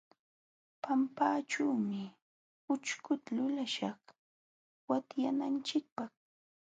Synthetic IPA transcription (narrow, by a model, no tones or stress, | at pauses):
pampaːt͡ʃuːmɪ | ʊt͡ʃkʊt̪alʊlaʃɑχ | wat̪janant͡ʃɪk̚pɑχ